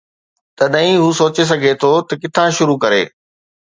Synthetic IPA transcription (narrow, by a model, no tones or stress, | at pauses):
t̪ɐɗɐĩɦuːsoːt͡ɕes̬ɐɡʱet̪ʰot̪ɐkɪt̪ʰãʃʊɾukɐɾḛː